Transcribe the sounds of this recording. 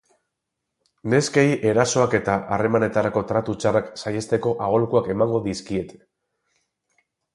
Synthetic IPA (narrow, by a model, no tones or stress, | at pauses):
ne̞skejʔe̞ɾaso̞ake̞t̪aʔare̞mane̞t̪aɾako̞t̪ɾat̪ut͡ʃaraksaje̞st̪e̞ko̞ʔaɣ̞o̞lkuake̞maŋɡo̞ðiskie̞t̪e̥